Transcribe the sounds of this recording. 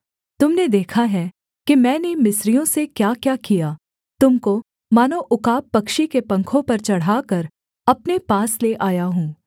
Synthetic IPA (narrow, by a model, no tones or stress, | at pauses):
t̪ʊmned̪eːkʰaɦɛ | kimɛ̃ːnemɪsɾijõsekjaːkjaːkijaː | t̪ʊmko | maːnoʔʊkaːpːɐkʃikepɐ̃ŋkʰõpɐɾt͡ʃɐɽ̤aːkɐɾ | ɐpnepaːsleʔaːjaɦũː